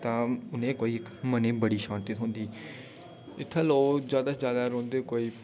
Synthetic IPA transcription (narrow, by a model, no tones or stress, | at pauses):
t̪ãːʊnẽːkoːiːɪkməneːbəɽiːʃãːt̪it̪ɦʊ̃nd̪iː | ɪt̪ʰːaːloːd͡ʒjaːd̪aːd͡ʒjaːd̪aːɾõːnd̪eːkoːiː